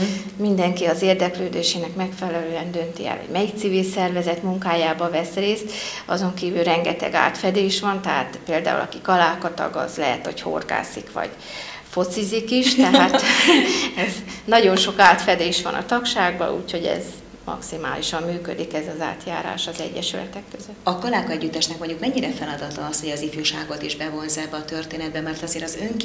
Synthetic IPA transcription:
mind̪ɛŋkiɒzeːrd̪ɛkløːd̪eːʃeːnɛkmɛkfɛlɛløːɛnd̪ø̞nt̪iɛ̰lvɒ̰ɟmɛjik̚t̪sivilsɛrvɛzɛt̪muŋkaːjaːbɒvɛsreːst̪ | ɒzo̞ŋkiːvylrɛŋɡɛt̪ɛ̰ɡa̰ːt̪fɛd̪eːʃʋɒnt̪ɛɦaːt̪peːld̪a̰ːṵlɒ̰kikɒlaːkɒt̪ɒ̰ɡɒ̰zlɛɦɛ̰t̪ho̞cho̞̰rɡa̰ːsikʋɒ̰ɟ̥ | fo̞t̪sizikiʃt̪ɛɦaːt̪ | ɛznɒɟo̞nʃo̞kaːt̪fɛd̪eːʃʋɒ̰nʔɒ̰t̪ɒkʃaːɡ̚bɒ̰ṵːcho̞ɟɛ̰z | mɒ̰ksimaːliʃɒmːyːkød̪ikɛzɒza̰ːt̪ja̰ːɾa̰ːʃɒzɛ̰ɟːɛʃylɛ̰t̪ɛkːøzøt̪ːɒkɒlaːkɒɛɟːyt̪ːɛʃnɛkmoɲɟukmɛɲːiɾɛfɛlɒd̪ɒt̪ɒɒsho̞ɟɒzifjuʃaːɡo̞t̪iʒbɛvo̞nzɛbːɛɒt̪ørt̪eːnɛd̪̚bɛmɛrt̪ɒzeːɾɒzøŋk

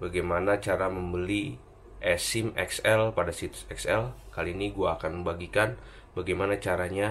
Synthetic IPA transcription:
baɡajmanat͡ʃaɾaməmbəli | ʔɛsɪmɛksɛlpadasit̪sɛksɛlkaliːniɡuaːkanməmbaɡikan | baɡajmanat͡ʃaɾaɲa

